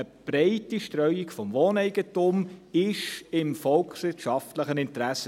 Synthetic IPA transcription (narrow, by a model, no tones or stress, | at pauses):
əb̥ɾeɪtiʃtɾœʏikfɔmʋoːnɛɪɡ̥ətumɪʃɪmfɔlksʋɪtʃɑftləχənɪntɾæsə